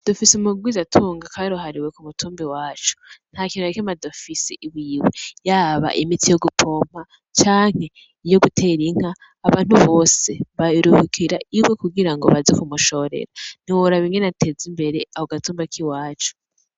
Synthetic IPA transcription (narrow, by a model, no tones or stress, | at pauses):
d̥ofisimuɡwizatʰuːŋɡakʰaɾuɦaɾiwe̞kumutʰuːmbiwaːt͡ʃu̥n̥hakinuaikimadofisiʔiwiːwe̞jaːβa̰ʔimitijo̞ɡupʰo̞m̥a | t͡ʃaːŋ̥e̞ | ijo̞ɡutʰe̞ːɾiŋ̥haː | βaːn̥huβo̞ːse̞βaiɾuhikʰiɾaiwe̞kuɡiɾaŋɡo̞̰βazekumuʃo̞ɾḛɾan̥iwoɾaβiŋɡenatʰe̞zimbe̞ɾe̞ahoɡatuːmbakʰiwaːt͡ʃu̥